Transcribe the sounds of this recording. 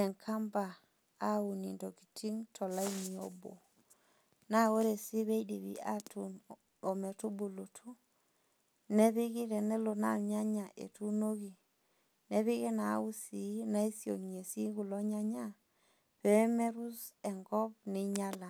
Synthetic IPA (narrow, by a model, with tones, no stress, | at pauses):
ɛ˨ŋkʰa˦mba˨ | a˦u˨ni˨ndo˨ki˨ti˦ŋtʰɔ˨la˦i˦ni˨o̰˦bo̰˨ | na˦wo˦ɾe˨si˦βe˦idi˨βḭ˨a˦tun | o˨me˨tu˦bu˨lo˨tʰu˦ | ne˦bi˦ɡi˦ɾɛ˨nɛ˦lo˨na˦˨ɲa˦ɲa˨ʔḛ˨tu˦no˦ɡi˨ | ne˦βi˦ɡi˦na̰˨˦u˦si˨na˦i˦sio̰˨nie˨si˦ɡu˨lo˦ɲa˦ɲa˦ | pɛ˨˦me˦ɾu˦se˨ŋɡɔ˦b̚ni˦ɲa˦la˨